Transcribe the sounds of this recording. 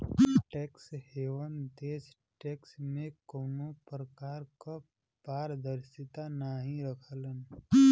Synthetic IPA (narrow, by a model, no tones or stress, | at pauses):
ʈeːksheːʋənd̪eːs | ʈɛːksmẽkoːnopɾəkaːɾka | paːɾd̪əɾsɪt̪anaɦĩɾəkʰələn